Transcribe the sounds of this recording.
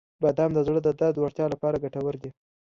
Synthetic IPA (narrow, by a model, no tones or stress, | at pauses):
bad̪amd̪əzɽəd̪əd̪ad̪waɾt̪jɑlapɑɾaɡaʈawəɾd̪i